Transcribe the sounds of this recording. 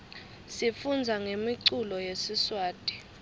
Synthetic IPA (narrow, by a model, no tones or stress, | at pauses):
sifund͡zʱaŋemiǀulɔjesiswaːd̥ʱʼi̥